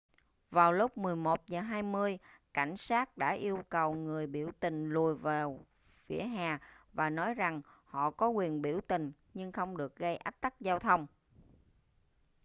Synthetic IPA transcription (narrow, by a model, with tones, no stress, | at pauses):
vaː˨˩wlʊ˦˥k͡p̚mɨ˨˩əjmo˨˩t̚zəː˨˩ɦaː˧jmɨ˧əjka̰˧˩jŋ̟saː˦˥t̚ɗa̰ː˧˥ʔi˧əwkə˨˩wŋɨ˨˩əjɓḭ˧˩əwt̪ï˨˩ŋ̟lu˨˩əjvaː˨˩ | fḭ˧˩əɦaː˨˩vaː˨˩nɔ˨˦jza˨˩ŋhɔ̰˧˨kɔ˨˦kwi˨˩ənɓi˧˩əwt̪ï˨˩ŋ̟ | ɲɨ˧ŋxə˧wŋ͡mɗɨ˨˩ək̚ɣə˧jʔa˦˥k̚t̪a˦˥k̚zaː˧wt̪ʰə˧wŋ͡m